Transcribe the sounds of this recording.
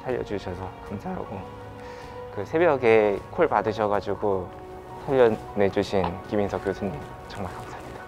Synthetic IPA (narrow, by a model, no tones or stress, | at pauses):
sʰaʎːʌ̰d͡ʑuɕʰʌsʰʌkamsʰaɦa̰ɡo | kɯsʰe̞bjʌɡe̞kʰoɭpadɯɕʰʌɡad͡ʑuɡo | sʰaʎːʌ | ne̞d͡ʑuɕʰinkiminsʰʌk͈josʰɯɲim | t͡ɕʌŋmaɭkaks͈amɲid̥a